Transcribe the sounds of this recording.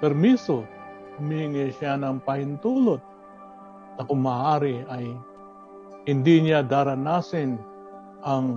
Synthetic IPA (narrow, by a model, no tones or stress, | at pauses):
pɛɾmiso | hʊmiːŋɛʃanɐŋpahɪnt̪uːlot̪̚ | nɐkʊŋmːaːʔaːɾɪaj | hɪnd̪iɲad̪aːɾɐnasɪn | ʔɐŋ